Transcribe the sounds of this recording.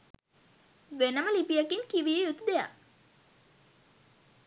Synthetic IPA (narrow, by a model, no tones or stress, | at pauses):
ʋenəməlipijakiŋkiʋijejut̪ud̪eja̰